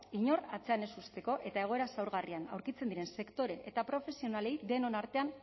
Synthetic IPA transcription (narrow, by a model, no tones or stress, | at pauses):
iɲo̞rat͡se̞ane̞sust̪e̞ko̞ʔe̞t̪ae̞ɣ̞o̞e̞ɾasawɾɣariana̰wɾkit͡se̞nd̪iɾe̞nse̞kt̪o̞ɾe̞ʔːt̪apɾo̞fe̞sio̞nale̞jðd̪e̞no̞naɾt̪e̞an